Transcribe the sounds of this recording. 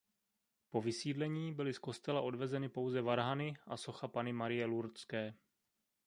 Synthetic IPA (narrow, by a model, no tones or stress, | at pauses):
po̞vɪsiːdlɛɲiːbɪlɪsko̞st̪ɛlaʔo̞dvɛzɛnɪpo̞wzɛvaɾɦanɪʔaso̞xapanɪmaɾɪjɛluɾt͡skɛː